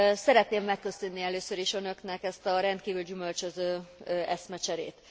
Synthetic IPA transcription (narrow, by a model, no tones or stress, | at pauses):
sɛɾɛt̪neːmːɛkːøsønːiɛløːsøɾiʃø̞nø̞knɛkɛst̪ɒɾɛnt̪kiːvyld͡ʒymø̞lt͡ʃøzøːøʔɛsmɛt͡ʃɛɾḛːt̪